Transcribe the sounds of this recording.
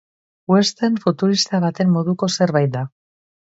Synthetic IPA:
west̪eɱfut̪uɾist̪aβ̞at̪e̞mːo̞ðuko̞se̞ɾβajt̪̚d̪a

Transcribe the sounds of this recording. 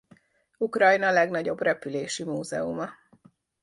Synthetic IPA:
ukrɒjnɒlɛɡnɒɟo̞brɛpyleːʃimuːzɛ̰umɒ

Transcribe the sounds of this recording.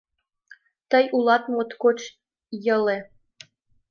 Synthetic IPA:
t̪əjulɑt̪mot̪kot͡ɕ | jɤ̆le

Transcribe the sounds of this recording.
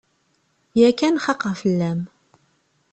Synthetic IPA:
jækːænχɑqːəʁfəlːæm

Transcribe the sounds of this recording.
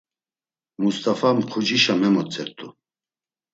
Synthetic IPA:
must̪ʰʼafamqʰud͡ʒiʃamɛmɔt͡sʰʼɛɾt̪ʰʼu

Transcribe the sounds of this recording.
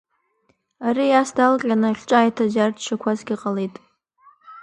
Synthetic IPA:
aɾijasdalqʲʼanɨχʲʈ͡ʂʼaːjtʰazartʰʃʰakʷʰazɡʲiqʼalejtʼ

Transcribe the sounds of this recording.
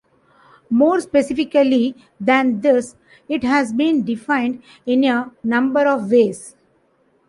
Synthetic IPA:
moːɾspesɪfɪkəli | d̪æ̃nd̪ɪs | ɪʈɦæzbĩːnɖɪfãɪ̃ɳɖ | ɪ̃nenʌ̃mbəɾɔʋʋeːs

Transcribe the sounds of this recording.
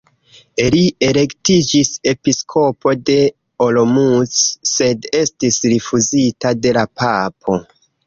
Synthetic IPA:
lie̞ɾe̞ktid͡ʒise̞piskʰo̞po̞de̞ | olo̞musːe̞de̞stisɾifuzitade̞lapapʰo̞

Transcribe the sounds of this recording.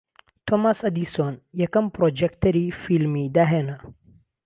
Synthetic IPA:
t̪ʰomasɐd̪isonjɐkɐmpɾod͡ʒekt̪ɐɾifilmid̪ɐɦeːnɐ

